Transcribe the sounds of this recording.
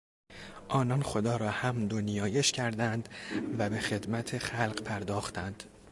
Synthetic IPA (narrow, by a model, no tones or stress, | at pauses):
ʔɒːnɒnxod̪ɒːɾɒːhæmd̪onijɒːje̞ʃcʰæɾd̪ænd̪væbe̞xe̞d̪mæt̪ʰexælɢpʰæɾd̪ɒːxt̪ʰænd̪̥